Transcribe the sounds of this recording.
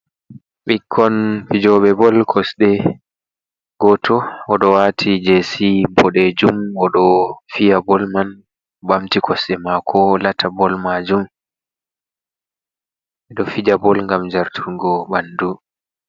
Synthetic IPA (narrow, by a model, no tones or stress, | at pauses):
ɓikʰːɔnfid͡ʒɔɓɛbɔlkʰɔsɗɛ | ɡ̥ɔtʰɔɔɗɔwatʰid͡ʒesimpʰɔɗed͡ʒumɔɗɔfijabɔlman | bamtikʰɔsɗɛmakʰɔlatʰabɔlmad͡ʒum | ɛɗɔfid͡ʒabɔlŋɡamd͡ʒaɾtʰuŋɡɔbandu